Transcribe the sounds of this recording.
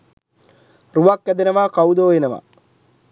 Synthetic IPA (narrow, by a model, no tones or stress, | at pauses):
ruʋakːɐd̪ɐnɐʋaːkɐwd̪oːjenɐʋa̰